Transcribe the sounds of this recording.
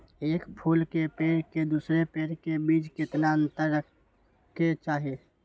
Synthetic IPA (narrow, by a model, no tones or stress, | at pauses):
eːkpʰuːlkepeːɾked̪uːsɾepeːɾkebiːd͡ʒkɪt̪naə̃nt̪əɾːək | kːet͡ʃaːɦie